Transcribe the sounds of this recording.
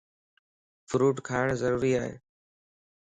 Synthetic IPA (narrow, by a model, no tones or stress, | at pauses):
fɾuːʈkʰaːɪɽ̃zəɾuːɾiaːɦḛː